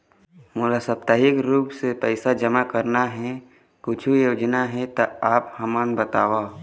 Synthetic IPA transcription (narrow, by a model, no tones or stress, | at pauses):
mʊlasəp̚t̪aɦɪkɾuːpsepɛɪsad͡ʒəmakəɾnaɦɛ̃ | kʊt͡ʃʰujoːd͡ʒnaɦɛ̃t̪aaːphəmənbət̪aːʋa